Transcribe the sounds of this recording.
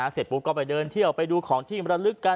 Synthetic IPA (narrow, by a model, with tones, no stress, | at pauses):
aː˩˦se˨˩t̪̚buː˨˦˥kɔː˧˥˩pa˧˩jdɤː˧nt̪ʰi˥˩əwpa˧jduː˧kʰɔː˩˦ŋt̪ʰiː˧˩mɾa˧lɯ˦˥kːa˧